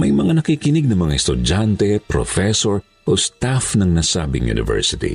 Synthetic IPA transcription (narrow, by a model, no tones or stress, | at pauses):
mɐjmɐŋanɐkiːkɪnɪɡ̚nɐŋmɐŋaɛst̪ʊd͡ʒant̪ɛpɾofɛsoɹ | ʔost̪afnɐŋnasa̰ːbɪ̰ŋjṵnɪ̰vɛ̰ɹsɪt̪ḭ